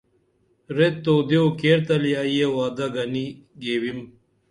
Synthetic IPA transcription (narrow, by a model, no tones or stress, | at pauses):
ɾet̪ːoːd̪eokeɾt̪ɐljaːijewaːd̪ɐɡɐni | ɡeːwim